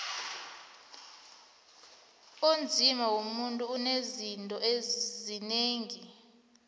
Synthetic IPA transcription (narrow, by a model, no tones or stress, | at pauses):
ond͡zʱimawomuntʼuːnezintʼɔezineːŋi